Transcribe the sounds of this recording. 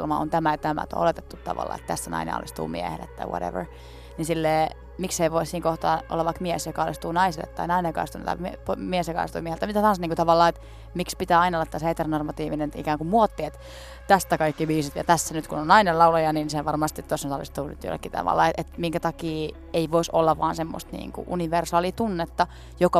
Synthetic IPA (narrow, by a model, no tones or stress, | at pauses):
lmɑo̰nt̪æmæt̪æmæ̰t̪o̰o̰let̪et̪ːut̪t̪ɑ̰ʋɑ̰lːɑ̰ːḛt̪t̪æst̪ːænɑ̰inḛɑ̰lːist̪ṵːmḭɛ̰hḛlːḛt̪t̪ɑ̰jwo̰ɾḛʋə̰r | ninsilːeː | mikseiʋoissiːŋkoht̪ɑ̰ːʔo̰lːɑʋʋɑikmiɛsjokɑɑlist̪uːnɑisilːḛt̪t̪ːɑinɑinejokɑ̰st̪unːt̪ɑ̰impomiesjokɑ̰lest̪uːmiehelt̪mit̪æt̪ɑɑnsniːŋkut̪ɑʋɑlːɑːet̪ | mikspit̪æːɑinɑolːɑt̪ːæsheːt̪ernormɑt̪iːʋinenḭkæːŋkumuot̪ːiet̪ | t̪æst̪ækɑikːiʋiːsit̪jɑ̰t̪æsːænyt̪kunonɑinelɑulojɑninseʋɑrmɑst̪it̪osːontɑlḭst̪uːny̰t̪jo̰lːḛkːit̪ɑ̰ʋɑ̰lːɑ̰ːeet̪miŋkæt̪ɑkiː | eiʋoiso̰lːɑʋɑːnsemːo̰st̪nḭːŋkṵʔṵniʋersɑːlit̪unːet̪ːɑ | jokɑ